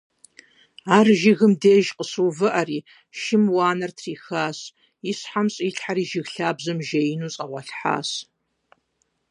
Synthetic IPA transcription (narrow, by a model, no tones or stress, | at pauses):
aːrʒɪɣɨmdeːʒqʼəsuwvɨʔɐriː | ʃɪmwaːnɐrtʰriːxaːs | isħamɕʼiːɬħaɾiːʒɪɣɬaːbzɨmʒejɪnuːt͡sʼɐʁʷɑɬħa̰ːs